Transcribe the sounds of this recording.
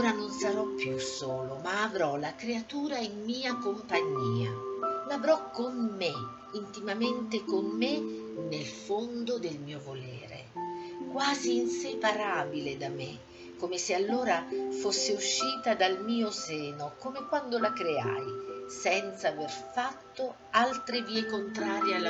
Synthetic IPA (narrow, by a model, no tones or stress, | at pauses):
oːɾanonsaɾɔpːjusoːlomaːvɾɔlakɾeat̪uːɾaimːiːakompaɲːiːa̰lavɾɔkːomme | int̪imament̪ekomːenelfond̪od̪elmiːovolɛ̰ːɾḛ | kwaːziːnsepaɾaːbiled̪ame | kːomesealːoːɾafosːeuʃːiːt̪ad̪almiːoseːnokoːmekwand̪olakɾea̰jsɛnt̪saːverfat̪ːo | alt̪ɾeviːekont̪ɾaːɾjealː